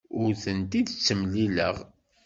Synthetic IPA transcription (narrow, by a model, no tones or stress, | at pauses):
ʊɾθənt̪iðt͡sːəmlilə̰ʁ